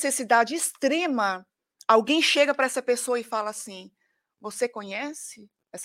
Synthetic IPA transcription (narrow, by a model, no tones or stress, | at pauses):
sesid̪ad͡ʒɪːst̪ɾẽmɐ | awɡẽj̃ʃeɡɐpɾɐɛsɐpesoɐɪfalɐasĩ | vosekõɲɛsɪ | ɛs